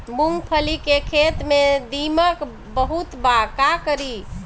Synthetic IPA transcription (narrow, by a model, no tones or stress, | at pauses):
buŋɡpʰəlikekʰet̪med̪imək | bəɦut̪bakakəɾi